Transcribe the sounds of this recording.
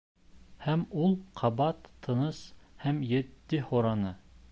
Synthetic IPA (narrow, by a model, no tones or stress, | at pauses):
hæmulˠqʰɑbɑt̪ʰːɤ̆nɤshæmjĕt̪ːɘhoɾɑnɤ